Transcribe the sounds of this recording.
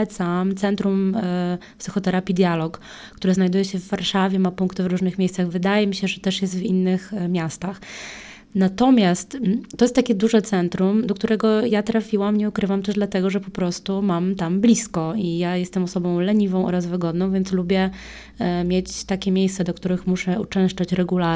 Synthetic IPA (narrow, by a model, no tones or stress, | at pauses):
t̪samt̪sɛnt̪ɾum | psɨxɔt̪ɛɾapʲid̪ʲjalɔk | kːt̪uɾɘznajd̪ujɛɕɛvːaɾʂavʲjɛmapũŋkt̪ɘvɾuʐnɘxmʲejst̪saɣvɘd̪ajɛmʲiɕɛʐɛt̪ɛʂjɛs̬t̪vinːɘxmʲjast̪ax | nat̪ɔmʲjast̪ːɔjɛst̪t̪akʲɛd̪uʐɛt̪sɛnt̪ɾumd̪ɔkt̪uɾɛɡɔjat̪ɾafʲiwamɲɛukɾɘvamt̪ɛʐd̪lat̪ɛɡɔʐɛpɔpɾɔst̪umamt̪amblʲiskɔijajɛst̪ɛmɔsɔbɔ̃w̃lɛɲivɔ̃w̃ʔɔ̰ɾazvɘɡɔd̪nɔ̃w̃vʲjɛnt̪slubʲjɛ | mʲjet͡ɕt̪akʲɛmʲjejst̪sɛd̪ɔkt̪uɾɘxmuʂɛut͡ʂɛw̃ʂt͡ʂat͡ɕɾɛɡula